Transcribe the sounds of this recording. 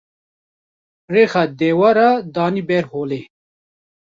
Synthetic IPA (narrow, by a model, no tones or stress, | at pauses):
ɾexad̪eːwaɾad̪aːnibɛɾhoːle